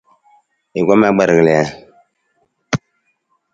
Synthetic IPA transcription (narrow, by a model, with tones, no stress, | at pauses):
i˨ɡʷɔ˦ma˦ɡ͡bɛ˨ɾɣɨ˨lɛ˨a˨